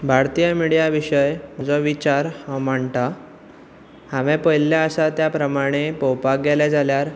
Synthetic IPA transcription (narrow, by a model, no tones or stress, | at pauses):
bʱaɾt̪ijəmiɽijaʋiɕəjm̤əd͡zɔʋit͡ɕaɾhãm̤əɳʈ̪a | haʋẽpəjljaəsat̪japɾəmaɽ̃epowpak̚ɡeled͡zʱaljaɾ